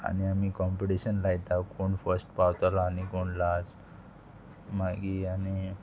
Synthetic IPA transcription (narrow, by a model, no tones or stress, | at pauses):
a̰niamikɔmpeʈiɕənlajt̪akoɳfəɾsʈpawt̪alaːnikoɳlas | maɡiani